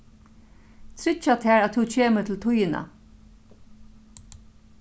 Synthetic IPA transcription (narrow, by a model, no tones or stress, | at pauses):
t̪ʰɾɪt͡ʃːat̪ʰɛːɹat̪ʰut͡ɕʰeːmɪɾt̪ʰɪlt̪ʰʊjɪna̰